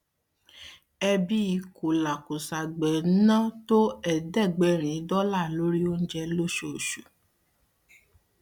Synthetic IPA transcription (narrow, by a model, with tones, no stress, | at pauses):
ɛ˧bi˦i˨˧ko˨la˨ko˨sa˨ɡ͡bɛ˨n̩˦nã˦to˦ɛ˨dɛ˦˨ɡ͡bɛ˨ɾ̃ĩ˨˦dɔ˦la˦˨lo˨˦ɾi˦o˦n̩˦d͡ʒɛ˧lo˦ʃo˨ʃu˨